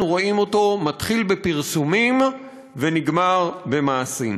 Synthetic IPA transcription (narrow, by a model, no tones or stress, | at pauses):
uʁoʔimo̞to̞matχilbe̞piʁsumim | ve̞niɡmaʁbe̞maːsim